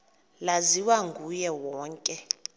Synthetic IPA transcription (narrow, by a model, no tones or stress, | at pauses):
laziwaŋɡʱujɛwɔːŋkʼɛ